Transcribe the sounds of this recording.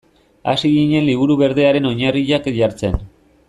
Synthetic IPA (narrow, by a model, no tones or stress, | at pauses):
a̰siɣiɲe̞nliβ̞uɾuβe̞ɾðe̞aɾe̞no̞ɲariʎakʝaɾt͡se̞n